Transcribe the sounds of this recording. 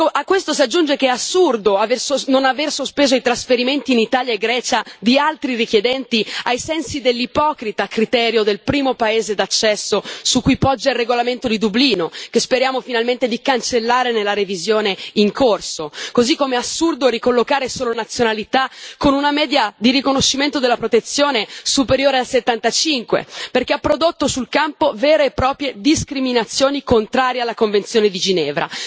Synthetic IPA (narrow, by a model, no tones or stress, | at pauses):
akːwest̪osiad͡ʒːund͡ʒekeɛasːurd̪oaversononaversospeːzoit̪ɾasfeɾiment̪iːnit̪aːljaeɡɾɛːt͡ʃad̪ialt̪ɾirikjed̪ɛnt̪iajsɛnsid̪elːipɔːkɾit̪akːɾit̪ɛːɾjod̪elpɾiːmopaeːzed̪at͡ʃːɛsːosukːujpɔd͡ʒːailrːeɡolament̪od̪id̪ubliːnokespeɾjaːmofinalment̪ed̪ikant͡ʃelːaːɾenelːaɾevizjoːneiŋkʰorsokozikːomeasːurd̪oɾikolːokaːɾesoːlonat̪sːjonalit̪akonunamɛːd̪jad̪irikonoʃːiment̪od̪elːapɾot̪et̪sːjoːnesupeɾjoːɾealset̪ːant̪at͡ʃiŋkwḛperk̟eapːɾod̪ot̪ːosulkampovɛːɾeːpːɾɔːpɾjed̪iskɾiminat̪sːjoːnikont̪ɾaːɾjealːakoɱvent̪sjoːned̪id͡ʒinɛːvɾa̰